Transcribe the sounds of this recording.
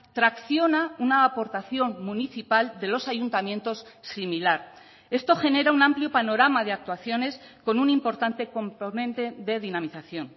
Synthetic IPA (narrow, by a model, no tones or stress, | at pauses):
t̪ɾakθjo̞naunaːpo̞ɾt̪aθjo̞nmuniθipald̪e̞lo̞saʝunt̪amje̞nt̪o̞ssimilaɾ | e̞st̪o̞xe̞ne̞ɾaunãmpljo̞pano̞ɾamað̞e̞ak̚t̪waθjo̞ne̞sko̞nunimpo̞ɾt̪ant̪e̞ko̞mpo̞nẽ̞nt̪e̞ðe̞ðinamiθaθjo̞n